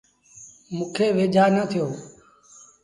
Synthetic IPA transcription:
mũːkʰeːʋeːd͡ʒʱaːnəːt̪ʰɪjoː

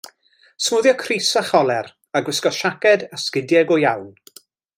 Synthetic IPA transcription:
smuːðjɔkʰrisaχɔlˠɛɾ | aɡwɪskɔʃakɛdaskɪdjɛɡɔjawn

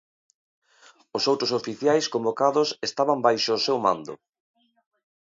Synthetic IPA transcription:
osowt̪ɾosofiθjajskõmbokaðʊsest̪aβambajʃʊːsewmãnd̪ʊ̰

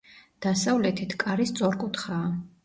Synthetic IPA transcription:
d̪̥asavlɛt̪ʰit̪ʰkʼaɾist̪sʼɔɾkʼut̪ʰχaː

